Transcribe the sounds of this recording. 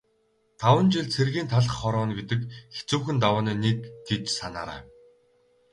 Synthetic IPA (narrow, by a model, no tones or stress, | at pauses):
t̪ʰawə̆nt͡ɕiɮt͡sʰerɣiːnt̪ʰaɮə̆χːɔɾɔːnpit̪ɘ̆kxe̥t͡suːxɘ̆nt̪awaːniːnit̪ʰːet̪sana̰ːɾa̰ː